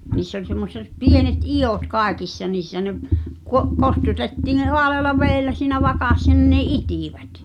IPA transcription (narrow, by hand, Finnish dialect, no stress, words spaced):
niːsː olʲ semːoset pienet ij̆oˑt kɑˑekisːɑ niːsːæ neʔ kuo kostutetːiːn̆ ne hoɑleɑlɑ ʋeːlːæ siːnæ ʋɑkɑsːɑ nin ne itiˑʋæt